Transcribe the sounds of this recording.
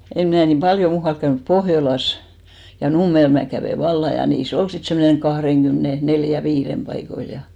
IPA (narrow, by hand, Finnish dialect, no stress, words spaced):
em mnæˑ nim pɑljo muːhɑlk kæynyp pohjolɑs jɑ numːel mæː kæʋeˑ ʋɑlːɑ jɑ niːs ol sit semːoneŋ kɑhreŋɡ̊ymne neljæ ʋiːrem pɑikoil jɑ